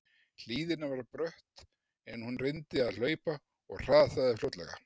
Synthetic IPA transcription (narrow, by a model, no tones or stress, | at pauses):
l̥iːðɪnavaɾpɾœht̪ | ɛnhunrɪnt̪ɪaðl̥œːɥpa | ɔ̰ɣr̥aːðθaðɪflot̪lɛ̰ɣa̰